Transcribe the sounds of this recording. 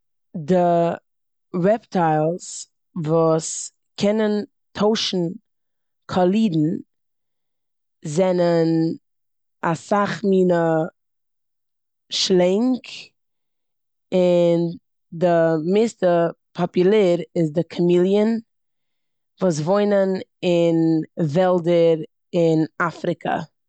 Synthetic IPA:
dɪ | ɾɛptaɪlˠs | vuːs | kʰɛnən | tʰoʊʃn̩ | kʰɔlˠiːdn̩ | zɛnən | asaχmiːnə | ʃlˠɛŋk | ɪn | dɪmɪstəpʰɔpʊlˠɛːɾɪzdɪkʰəmilˠjən | vuːs̬voɪnənɪnvɛlˠdəɾ | ɪnafɾɪkʰə̰

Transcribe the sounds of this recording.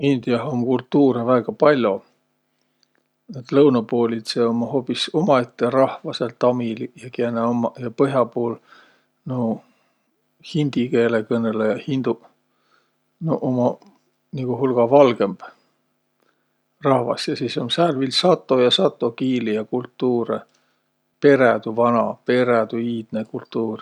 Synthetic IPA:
ind̪̥iɑɦoŋkult̪ːuːɾevæːɡ̥ɑpɑlʲjo̞ | et̪lɤwnɑpo̞ːlʲid̪̥se̞omːɑho̞ːpːˑiso̞mɑet̪ːeɾɑhvɑse̞lt̪ɑmiljɑkieneomɑjɑpɤɦjɑpoːl | no | hind̪̥ike̞ːlekɤnːe̞lːejɑhind̪̥u | noʔomɑ | niɡ̥uɦulɡ̥ɑvɑlɡ̥e̞mb̥ | rɑhvɑ̰sjɑsiːso̞nsærvilsɑt̪ːˑo̞jɑsɑt̪ːˑo̞kiːlijɑkult̪ːuːɾe | pe̞ɾed̪uvɑnɑpe̞ɾed̪̥uiːd̪̥nekult̪ːuːr

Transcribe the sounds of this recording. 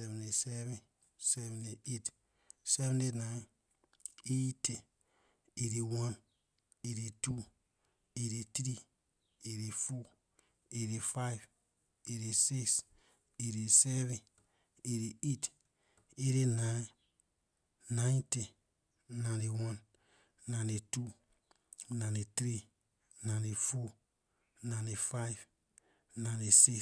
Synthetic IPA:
sɛvɛ̃nesɛvɛ̃n | sɛvɛ̃neet | sɛvɛ̃nena | ete | eɾiwãn | eɾitu | eɾet̪ɾi | eɾefɔ | eɾefav | eɾesiks | eɾesɛvẽ | eɾeet | eɾenã | nãj̃te | nãdewãn | nãnetu | nãnetɾi | nãefo | nãnefajv | nãnesi

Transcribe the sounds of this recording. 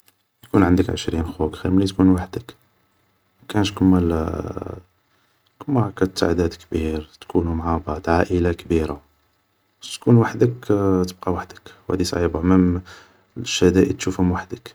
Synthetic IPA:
j̪kunʕənd̪əkʕə̰ʃɾinxukxiɾmælit̪kunwaħd̪ək | mækænʃkʊmːæl | kəmːaʕkæt̪ːa̰ʕd̪æd̪kbiɾt̪kʰunumʕabɑʕd̪ʕaʔəlakbiɾa | t̪kunwaħd̪əkt̪əb̚qɑwaħd̪ə̥kwhæ̰d̪isʕibaməm | ʃæhd̪æʔə̰t̪ʃufhʊmwaħd̪ək

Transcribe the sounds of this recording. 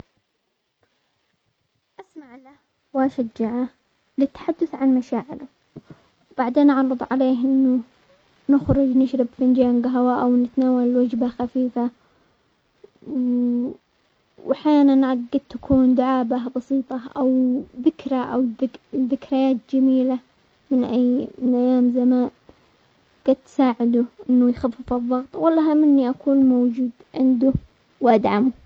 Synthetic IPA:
ʔasmaʕla | waʃad͡ʒːaʕa | lɪt̪ːḁħad̪ːʊθʕanmaʃaːʕɪ̰lʊ | wb̥aʕd̪eːnʔɑʕɾˤɨðˤʕa̰leːɦʔɪnːʊ | nɪxɾʊd͡ʒnɪʃɾɪbfɪnd͡ʒaːnɡɦawaːʔawnɪt̪naːwalwad͡ʒbaxafiːfa | wʔaħjaːnanʕaːɪd̪̚t̪akʰuːnd̪ʊʕaːbabɑsiːt̪ˤɑʔawðɪkɾaʔa̰wɪðːɪkɾajaːt̪̚d͡ʒamiːla | mɪnʔajːmɪnʔajːaːmzamaːn | ɡ̥aːd̪̚t̪ːsaːʕɪd̪uʔɪnːʊjxafːɪfɨðˤːɑɣt̪ˤwɑlːɑɦamːɪnːiʔakʰuːnmowd͡ʒuːd̪ʕɪnd̪u | wʔad̪ʕamu

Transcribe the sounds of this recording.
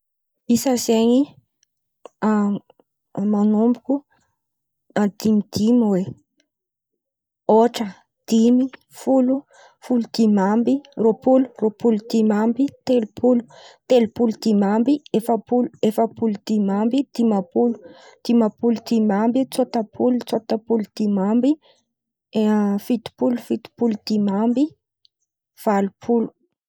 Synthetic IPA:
isəzeɲi | a | manumbuku | ad̪̥imid̪̥imwe | oʈ͡ʂə | d̪̥imi | fulu | fulud̪̥imambiropuluropulud̪̥imambit̪elupʰulu̥t̪elupulud̪̥imambiefəpuluefəpulud̪̥imambid̪̥imapulu̥d̪̥imapulud̪̥imambit͡sot̪əpʰulut͡sot̪əpulud̪̥imambi | fit̪i̥pulufit̪i̥pulud̪̥imambi | v̥alupʰulu̥

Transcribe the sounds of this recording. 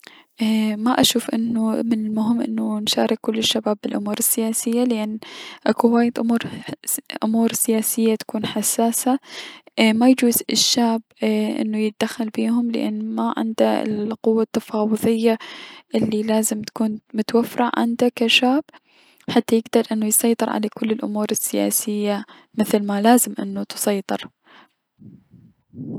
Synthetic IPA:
ʔmaʔaʃuːfʔɪ̰nːʊmɪnɪlmʊɦɪmːʔɪ̰nːʊnʃa̰ːɾˤɪkkːʊlːɪʃːabaːbːɪlʔʊmuːɾɪsːɪjaːsɪjːalɪʔanːʔakuwaːjɪd̪ʔʊmuːɾ | ʔʊmuːɾsɪjaːsɪjːat̪ḁkuːnħasːaːsa | majd͡ʒuːzɪʃːaːbʔɪ̰nːʊjɪd̪axalbiːhʊmlɪ̰ʔa̰nːmaʕɪ̰nd̪aɪ̰lqʊwːat̪ːafɑːwɨðˤɨjːaʔɪlːilaːzɪmt̪ḁkuːnmʊt̪awafːɾaʕʕɪ̰nd̪akaʃaːb̥ | ħat̪ːajɪɡd̪ɑɾˤʔɪnːʊjsˤɑjt̪ˤɨɾˤʕa̰lakʊlːɪlʔʊ̰muːɾɪsːɪja̰ːsɪjːa | mɪθlmalaːzɪmʔɪnːut̪ɨ̥sˤɑjt̪ˤɨɾ

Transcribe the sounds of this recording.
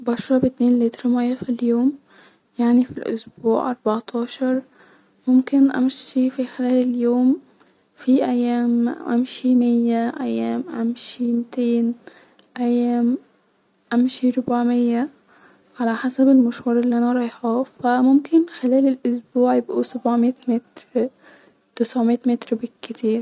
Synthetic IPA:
bɑʃɾˤɑbɪt̪neːnliːt̪ɾɑmæjːæfiljoːm | jaʕnifilʔʊ̰sbuːʕʔɑɾˤbɑʕt̪ʰɑːʃɑɾˤ | mʊmkɪnʔæ̰mʃifixelæːleljoːm | fiʔæjːæːmʔæ̰mʃimɪjːæʔæjːæːmʔamʃimɪt̪eːn | ʔajːæːm | ʔamʃiɾʊbaʕmɪjːa | ʕalaħasabɪlmʊʃhɑːɾˤɪlːiʔanaɾˤɑjħɑfamʊmkɪnxɪlæːlɪlʔʊsbuːʕjɪbʔusabʕmiːt̪mɪt̪ɾɾ | t̪ɪsʕmit̪mɪt̪ɾbɪkːɪt̪ʰiːɾ

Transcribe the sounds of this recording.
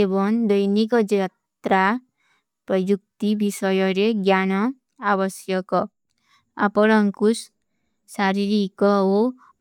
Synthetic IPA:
ebɔŋd̪ʌjnikɔd͡ʒa | t̪ɾa | pɾʌjuk̚t̪ibʱisʌjʌɾeɡjanɔ | abʌsjʌkɔ | a̰pɔɽʌŋkus | saɾiɾikɔo

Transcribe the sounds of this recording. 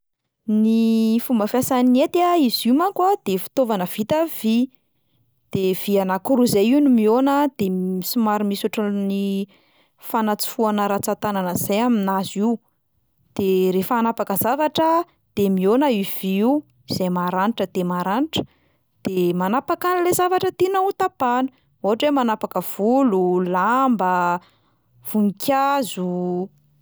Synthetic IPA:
nifumbəfasanet̪aizimakwad̪̥efi̥t̪ovanəv̥it̪av̥i | d̪̥ev̥ianakuɾuizajiwnimionəd̪emisimaɾimisuʈ͡ʂəni | fanat͡si̥fuanəɾat͡sat̪ananəz̥ajaminaziw | d̪̥eɾefəanapakəzavaʈ͡ʂə | d̪̥emionəiv̥iiu | izejmaɾaniʈ͡ʂəd̪̥emaɾaniʈ͡ʂə̥ | d̪̥emanapakanilezavaʈ͡ʂət̪inaut̪apanu̥ | oaʈ͡ʂwemanapakəv̥ululambə | v̥uŋikʲʰazu

